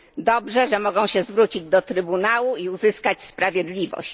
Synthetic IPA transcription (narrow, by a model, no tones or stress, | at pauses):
d̪ɔbʐɛʐɛmɔɡɔ̃w̃ɕɛzvɾut͡ɕid͡ʑd̪ɔt̪ɾɘbunawuiuzɘskat͡ɕspɾavʲjɛd̪lʲivɔ̰ɕt͡ɕ